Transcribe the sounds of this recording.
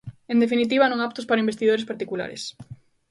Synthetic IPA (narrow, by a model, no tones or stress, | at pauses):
end̪efinit̪̬iβanõŋap̚t̪ʊspaɾaimbest̪iðoɾespaɾt̪ikula̰ɾḛs